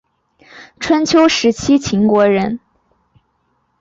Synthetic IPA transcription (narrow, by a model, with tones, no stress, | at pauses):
ʈ͡ʂʰwə˥nt͡ɕʰjo˥ʊʂɻ̩˧˥t͡ɕʰi˥t͡ɕʰi˧˥ŋkwɔ˧˥ɻə˧˥n